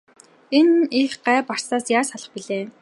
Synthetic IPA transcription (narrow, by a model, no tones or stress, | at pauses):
enixɢæːpar̥saːsjaːsaɮə̆χpiɮeː